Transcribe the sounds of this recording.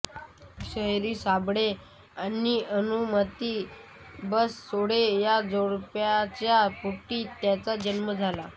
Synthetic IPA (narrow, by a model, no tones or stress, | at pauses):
ɕəɦɾiːsabɽe | anːiənumət̪i | bəsːoɽejad͡zoɽpjat͡ɕjapuʈːiːt̪jat͡sad͡ʑənməd͡zʱala